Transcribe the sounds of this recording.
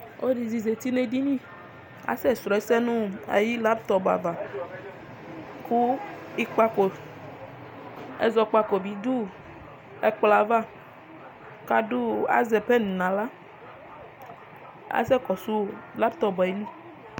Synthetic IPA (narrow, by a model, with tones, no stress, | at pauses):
wʔo˦di˨zi˨ze˨t̪i˦ne˨di˦mĩ˦˨ | a̰˦sɛ˦sɾɔ˨ɛ˦sɛ˦nũ˦a̰˨ji˦la˦pt̪ɔ˨ba̰˨va˨ | ku˦ | i˦k͡pa˦ko˨ | ḛ˦zɔ˨k͡pa˦˨ko˨bi˨d̪u˦ | e˦k͡pla˨va˦ | ka˦du˦a̰˦zɛ˨pe˦nũ˨nã˨la˦ | a̰˨˦sɛ˦kɔ˨su˦la˦pt̪ɔ˦bɔ˨ɛ˨li˦